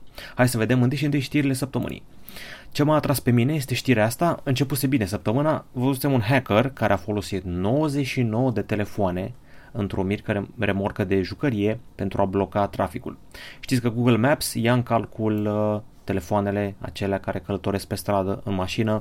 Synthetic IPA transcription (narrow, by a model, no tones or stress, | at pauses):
hajd̪səve̞d̪e̞mɨnt̪ɨjʃiɨnt̪ɨjʃt̪iɾile̞səp̚t̪əmɨ̰nḭjt͡ʃemaat̪ɾaspe̞mine̞je̞s̬t̪e̞ʃt̪iɾeast̪aɨnt͡ʃe̞put̪se̞bine̞s̬əp̚t̪əmɨnavəzut̪sʲimunɦekərkaɾeafo̞lo̞sit̪no̞wəze̞t͡ʃʃino̞wəd̪e̞t̪e̞le̞foane̞ | ɨnt̪ɾo̞mirkəɾeɾe̞morkəd̪e̞ʒukəɾije̞pe̞nt̪ɾuablo̞kat̪ɾafikṵl | ʃt̪it̪sʲkəɡuɡəlmæpsjaɨŋkalkul | t̪e̞le̞foane̞le̞a̰t͡ʃe̞leakaɾe̞kələt̪o̞ɾe̞sk̚pe̞st̪ɾad̪əɨnmaʃinə